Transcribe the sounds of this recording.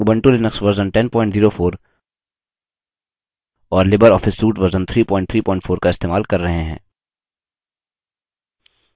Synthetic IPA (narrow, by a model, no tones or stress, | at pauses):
bɐ̃ɳʈulɪnəksʋɐɾzənʈɛ̃npɔ̃ːɪ̃ɳʈziːɾofoːɾ | ɔːɾlɪbəɾɔːfɪsːuːʈʋɐɾzənt̪ʰɾiːpɔ̃ːɪ̃ɳʈt̪ʰɾiːpɔ̃ːɪ̃ɳʈfʰoːɾkaɪst̪eːmaːlkɐɾːɐɦẽɦɛ̰̃ː